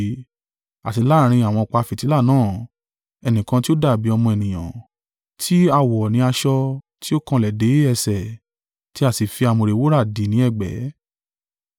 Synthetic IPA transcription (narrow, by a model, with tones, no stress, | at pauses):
a˨ti˧la˦˨˧ɾ̃ĩ˧a˨w̃ɔ̃˧ɔ˨k͡pa˧fi˨ti˨˦la˦˨nãː˦˨ | ɛ˧nĩ˨kã˧ti˦o˦da˦˨bi˨˦ɔ˧mɔ̃˧ɛ˨nĩ˨j̃ã̰˨ | tʰi˦a˧wɔ˨nĩ˨˧˦a˧ʃɔ˧ | ti˦o˦kã˧lɛ˨de˨˦ɛ˧˨sɛ˨ | ti˦a˦˨si˨fi˧a˧˨mõ˨˧ɾe˨˧˦wo˦ɾa˦˨dĩ˨nĩ˨˦ɛ˦˨ɡ͡bɛ̰˨˦